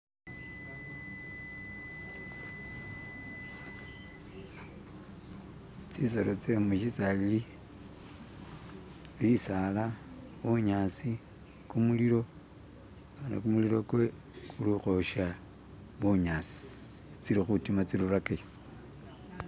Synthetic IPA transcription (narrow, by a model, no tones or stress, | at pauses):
t͡sisolot͡semuʃisalili | βisala | βuɲaːsi | kumuliɾo̞ | ana̰kumuliɾo̞kwe | kuluxoʃa | βuɲasi̥ | t͡siɾixutimat͡siɾurakejo